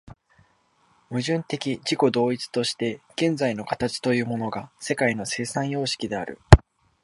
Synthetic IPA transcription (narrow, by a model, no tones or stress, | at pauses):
mɯ̟ʑɨ̃nt̪e̞kʲid͡ʑiko̞d̪o̞ːit͡sɨ̥t̪o̞ɕi̥t̪e̞ɡ̥ẽ̞nd͡zaino̞kḁt̪at͡ɕi̥t̪o̞jɯ̟ːmo̞no̞ɡase̞kaino̞se̞ːsãjo̞ːɕi̥kʲid̪e̞aɾɯ̟̰